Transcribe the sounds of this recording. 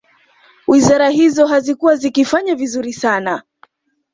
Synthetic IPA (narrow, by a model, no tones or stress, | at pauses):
wizaɾaɦizɔɦazikuwazikifaɲavizuɾisana